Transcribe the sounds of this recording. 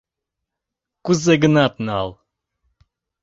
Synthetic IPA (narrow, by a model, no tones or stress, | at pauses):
kuzeɡənɑt̪nɑ̰lˠ